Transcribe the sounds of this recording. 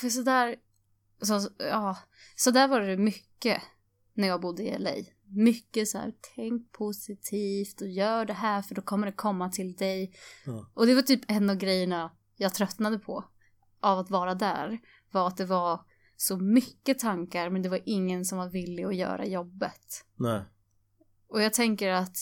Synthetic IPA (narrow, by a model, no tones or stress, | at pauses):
fœs̬ɔd̪æːɾ | sɔɑː | sɔd̪æːɾvɑːɾəd̪ɛmʏkːə | næɾjɑːɡbʊd̪ːəɪ̰ɛ̰lɛ̰j | mʏkːəsæ̰ːɾt̪ʰɛŋk̚pʰʊsɪt̪ʰiːft̪ɔjœːɖɛɦæːɾfœɖɔkʰɔmːəɖɛkʰɔmːat̪ʰɪld̪ɛj | ʔɔd̪ɛvaʈ̪ʰyːpɛnːavɡɾɛjːəɳa | jɑːɡt̪ʰɾœt̪nad̪əpʰɔ̰ | ʔavat̪vɑːɾad̪æ̰ːɾ | vaɾat̪̚d̪ɛvaɾ | sɔmʏkːət̪ʰaŋkaɾmɛnd̪ɛvaɾʔɪŋːənsɔmvaɾvɪlːɪɔjœ̰ːɾa̰jɔbːə̰t̪ | ɔjɑːɡ̚t̪ʰɛŋkəɾat̪